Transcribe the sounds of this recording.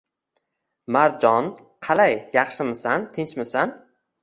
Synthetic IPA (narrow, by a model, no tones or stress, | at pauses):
maɾd͡ʒɒn | qʰɑlajːɑχʃɪmɪsant̪ʰɪnt͡ʃmɪsan